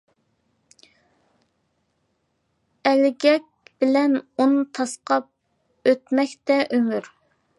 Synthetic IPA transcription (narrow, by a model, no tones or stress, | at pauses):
ɛlɡʲɛk̚ʲb̥ɪlɛnont̪ʰɑsqɑp̚ | øt̪mɛkʲt̪ɛʔømyɾ